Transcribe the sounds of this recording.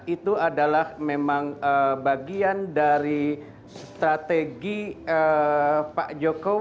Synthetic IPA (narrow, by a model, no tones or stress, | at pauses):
it̪uadalahmemaŋəbaɡiandaɾi | sst̪ɾat̪eɡiəpaʔd͡ʒoko